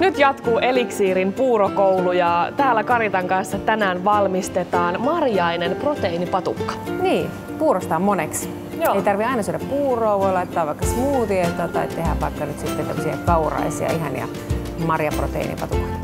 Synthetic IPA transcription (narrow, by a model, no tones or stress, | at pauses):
nyt̪jɑt̪kuːʔeliksiːɾimpuːɾokoulujɑt̪æːlːækɑɾit̪ɑŋkɑnsːɑt̪ænæːnʋɑlmist̪et̪ɑːnmɑrjɑinemprot̪einipɑt̪ukːɑ̥niː | puːɾost̪ɑːmmoneks | eit̪ɑrʋiɑinɑsyøɾæppuːroːʋoilɑit̪ːɑːʋʋɑikːɑsmuːt̪iet̪oːt̪ɑ̰it̪ːehæ̰ʋpɑ̰ikːɑnyt̪sit̪ːet̪ḛmːosihḛkɑurɑ̰isḭɑ̰iɦɑ̰njɑ̰ | mɑrjɑpro̰t̪ḛḭnḭpɑ̰t̪ukɑt̪